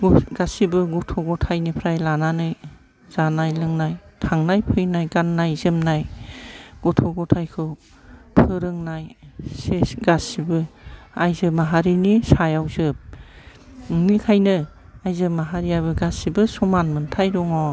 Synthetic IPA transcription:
ɡasibɯɡɔtʰɔɡɔtʰajnipʰɾajlananɯj | z̥anajlɯŋnajtʰaŋnajpʰɯjnajɡanːajzɯmnaj | ɡ̥ɔtʰɔɡɔtʰajkʰɯw | pʰɯɾɯŋnajsesɡasibɯajzɯmaɦaɾinisajawzɯp̚ | ɯŋnikʰajnɯ | ajzɯmaɦaɾiabɯɡasibɯsɔmanmɯntʰajɾuŋɔ

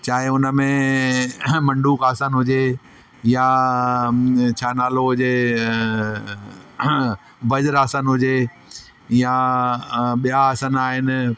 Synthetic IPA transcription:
t͡ɕaːɦɪʊnəmẽ | mɐ̃ɳɖuːkaːsənɦʊd͡ʑe | ja | t͡ɕʰaːnaːloɦʊd͡ʑe | bɐd͡ʑəɾaːsənɦʊd͡ʑe | ja | ɓijaːsənaːɦɪnɪ̆

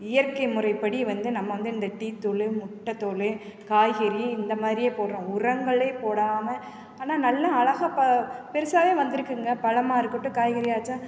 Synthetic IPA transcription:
ɪjɐɾkɐɪmʊɾɐɪpːɐɽiʋɐnd̪ɯnɐmːɐʋɐnd̪ɯɪnd̪ɐʈiːt̪ːɔɭɯmʊʈːɐt̪ɔɭɯ | kaːjɣɪɾiɪnd̪ɐmaːðɾɪjeːpoːʈɾõːʊrɐŋɡɐɭeːpoːɽaːmɐ | aːnaːnɐlːɐɐɭɐɣɐpɐpɛɾɯsaːʋeːʋɐnd̪ɯɾɯkːɯŋɡɐpɐɻɐmaːɪɾɯkːɯʈːɯ̃kaːjɣɪɾɪjaːt͡ʃːã

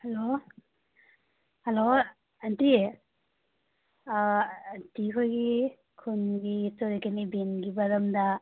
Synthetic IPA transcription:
helo | helo | anti | ntikʰojɡi | kʰunɡisoɾikenibinɡibɐɾɐmda

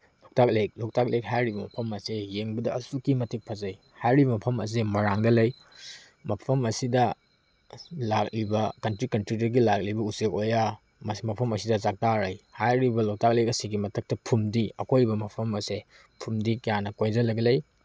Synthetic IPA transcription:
lok̚tʰak̚lek̚lok̚tʰak̚lek̚ɦajɾibɐmɐpʰɐmɐsejeŋbɐdɐːsukimɐtʰik̚pʰɐzɐj | hajɾibɐmɐpʰɐmɐ̰s̬emɐɾaŋdɐlɐj | mɐpʰɐmɐsidɐ | lak̚libɐkɐntɾikɐntɾidɐɡilak̚libɐusekoja | mɐsmɐpʰɐmɐsidɐzak̚taɾɐjhajɾibɐlok̚tʰak̚lek̚ɐsiɡimɐtʰɐk̚tɐpʰumdiɐkʰojbɐmɐpʰɐmɐse | pʰumdikɐjanɐkojzɐlɐɡɐlɐj

